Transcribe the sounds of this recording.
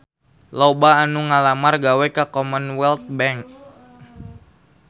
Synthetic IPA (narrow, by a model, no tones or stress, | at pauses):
lɔbaːnuŋalamarɡawɛkakɔmənwɛlt̪̚bɛŋk